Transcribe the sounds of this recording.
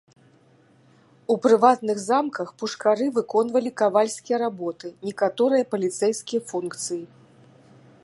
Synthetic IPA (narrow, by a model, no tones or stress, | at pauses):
upɾɨvat̪nɨɣzamkɐxpuʂkaɾɨvɨkɔn̪vɐlʲikavalʲsʲkʲijɐɾabɔt̪ɨnʲɛkat̪ɔɾɨjɐpɐlʲit̪sɛjskʲijɐfunkt̪sɨji